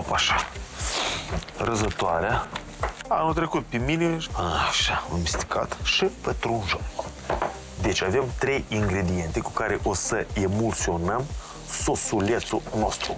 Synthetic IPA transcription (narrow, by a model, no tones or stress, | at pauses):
opaʃa | rəzət̪oaɾea | a̰nult̪ɾekut̪̚pemineaʃamist̪i̥ka̰t̪ʃipent̪ɾunʒok | d̪et͡ʃʲavemt̪ɾe̞jiŋɡɾed̪ije̞nt̪eku̥kaɾeʔosəemolt̪sio̞nəm | sosulʲet̪sunost̪ɾu